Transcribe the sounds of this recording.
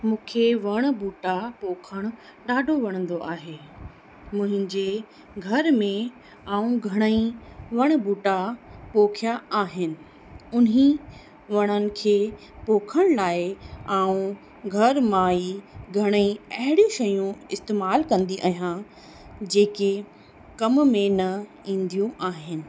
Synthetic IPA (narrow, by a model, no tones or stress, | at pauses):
mũːkʰeʋɐɽ̃buːʈapoːkʰəɽ̃ʊ | ɗaːɖʱoʋɐɽ̃ə̃nd̪oʔaːɦeː | mʊ̃ɦɪ̃ɲd͡ʑe | ɡʱɐɾmẽ | aːũɡʱɐɽ̃əĩʋɐɽ̃buːʈapoːkʰjaaːɦɪnɪ̆ | ʊnɦĩ | ʋɐɽ̃ənɪ̆kʰeː | poːkʰəɽ̃laːɪaːũ | ɡʱɐɾmaːiɡʱɐɽ̃əĩɐɦɪɽiʃɐjũɪst̪eːmaːlkɐ̃nd̪iʔɐːɦijã | d͡ʑeːke | kɐmmẽnɐ | ĩːn̆d̪ijũʔaːɦɪnɪ̆